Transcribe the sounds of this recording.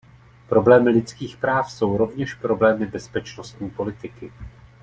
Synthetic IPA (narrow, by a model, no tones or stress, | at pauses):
pɾo̞blɛːmɪlɪt͡skiːxpɾaːfso̞wɾo̞vɲɛʃpɾo̞blɛːmɪbɛspɛt͡ʃnost̪ɲiːpo̞lɪt̪ɪkɪ